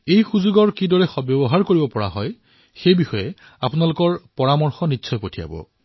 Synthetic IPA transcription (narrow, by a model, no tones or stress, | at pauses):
ejxuzuɡɔɹkidɔɹɛxɔbjɔbɔɦaɹkoɹibɔpɔɹa̰ɦɔj | xejbixɔjɛ | apʊnalʊkɔɹpɔɹamɔɹxɔnitːsʰɔjpotʰija̰bɔ̰